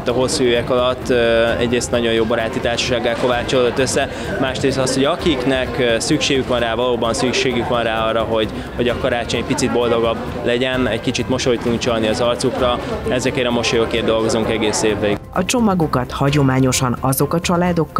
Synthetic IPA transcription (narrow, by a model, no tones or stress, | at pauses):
t̪ːɒɦo̞sːuøɛkɒlɒt̪ːɛ̰ɟreːst̪nɒɟo̞njoːbɒɾaːt̪it̪aːrʃɒ̥ʃaːɡːaːlko̞vaːt͡ʃolod̪ot̪ːøsːɛ | maːʃɾeːst̪ɒsho̞ɟɒkiknɛksykʃeːɡykvɒnraːvɒloːbɒnsykʃeːɡykʋɒnraːɒrːɒɦo̞ɟ | ho̞ɟɒkɒɾaːt͡ʃo̞ɲɛc̚ʲpit̪sid̪̚bo̞ld̪o̞ɡɒb | lɛɟɛnɛckit͡ʃit̪mo̞ʃo̞jt̪ud̪uŋk̚t͡ʃɒlniɒzɒrt̪sukrɒɛzɛkɛɾɛmo̞ʃojokeːrd̪o̞lɡo̞zuŋkɛɡeːseːvːɛiɒt͡ʃo̞mɒɡo̞kɒt̪hɒɟo̞maːɲo̞ʃɒnɒzo̞kɒt͡ʃɒlaːd̪o̞kː